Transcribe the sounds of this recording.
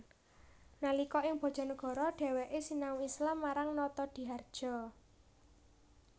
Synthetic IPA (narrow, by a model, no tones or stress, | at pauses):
nalikɔʔɪŋb̥ɔ̤̥ʒ̥ɔ̤nəɡ̥ɔ̤ɾɔɖ̥ɛ̤wɛʔesinauislamːaɾaŋnɔt̪ɔd̪̥i̤ɦard̥ʒ̥ɔ̤